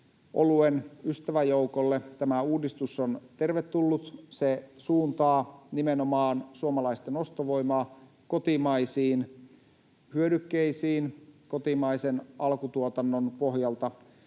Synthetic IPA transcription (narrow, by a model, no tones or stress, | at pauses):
ʔo̰luenyst̪æʋæjoukolːet̪æmæuːdist̪usːont̪e̞rʋet̪ːulːut̪sesuːnt̪ɑːnimenomɑːnsuomɑlɑist̪eno̞st̪oʋo̞imɑː | ko̞t̪imɑisiːn | hyødykːeisiːnkot̪imɑisenɑlkut̪uot̪ɑnːonpo̞ɦjɑlt̪ɑ